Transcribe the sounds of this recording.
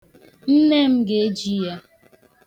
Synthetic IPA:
n̩˦ne˦m̩˦ɡe˦e˦d͡ʒi˦ja˦

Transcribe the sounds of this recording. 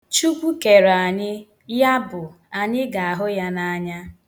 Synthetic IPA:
t͡ʃu˦kʷu˦ke˨ɾa˨ɲɪ˦ | ja˦bʊ˨ | a˨ɲɪ˦ɡa˨a˨ɦʊ˦ja˦na˦ɲa˦

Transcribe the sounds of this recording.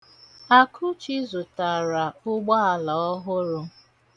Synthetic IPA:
a˦kʰʊ˦t͡ʃi˦zʊ˨ta˨ɾa˨ʊ˦ɡ͡ba˦a˨lɔ˨ɔ˦ɦʊ˦ɾʊ˦

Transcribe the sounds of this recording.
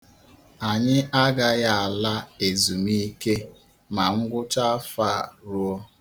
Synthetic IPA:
a˨ɲɪ˦a˦ɡa˦ja˨a˨la˦e˨zu˨mi˦ke˦ | ma˨ŋ̩˦ɡʷʊ˦t͡ʃa˦fa˦˨ɾu˦o˦

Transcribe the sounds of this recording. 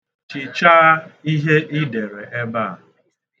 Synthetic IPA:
t͡ʃi˨t͡ʃa˦i˦ɦe˦ʔi˦de˨ɾe˨ʔe˦ba˦˨

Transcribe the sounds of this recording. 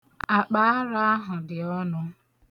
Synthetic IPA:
a˨k͡pa˨a˦ɾa˦a˦ɦʊ˨dɪ˨ɔ˦nʊ˦

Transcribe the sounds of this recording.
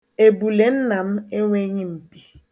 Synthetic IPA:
e˨bu˨le˨n̩˦na˨m̩˦e˦ŋʷe˦ɲɪ˦m̩˨bi˨

